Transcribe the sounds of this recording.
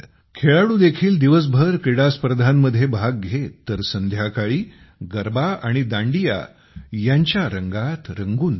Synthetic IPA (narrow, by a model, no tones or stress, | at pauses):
kʰeɭaɽuːd̪ekʰiːld̪iʋəs̬bʱəɾkɾiɽaspəɾəd̪ʱamːəd̪ʱjebʱaɡ̚ɡʱet̪ːəɾsənd̪ʱjakaɭiː | ɡəɾbaaɽ̃id̪ãɳɖija̰ | jaɲt͡ɕjaɾəŋɡat̪ɾəŋɡuːn